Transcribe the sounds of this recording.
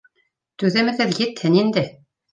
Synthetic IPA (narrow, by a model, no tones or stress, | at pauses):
t̪ʉðɘ̆mɘ̆ðɘðjɘ̆t̪hɘnind̪ɘ